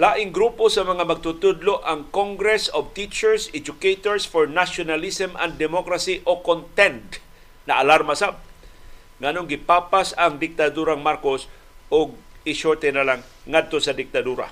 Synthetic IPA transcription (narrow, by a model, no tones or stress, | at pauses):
laʔɪŋɡɾuːposɐmɐŋamɐɡ̚t̪ʊt̪ʊd̪loʔaŋkoŋɡɾɛsov̚t̪it͡ʃɛɹsɛd͡ʒʊkejt̪oɹsfoɹnaʃonalisɛmʔɐ̰nd̪ɛmokɾasiʔokont̪ɛnt̪ | nɐʔalaɾmasab̚ | ŋanoŋɡɪpapasɐŋd̪ɪk̚t̪ad̪uːɾaŋmaɾkos | oɡ̚ɪʃoɹt̪ɛnalaŋː | ad̪̚t̪osɐd̪ɪk̚t̪ɐd̪uːɾa̰